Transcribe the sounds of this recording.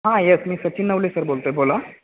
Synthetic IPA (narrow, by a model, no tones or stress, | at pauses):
ɦãjesmiːsət͡ɕiːnːəʋlesəɾbolt̪əebola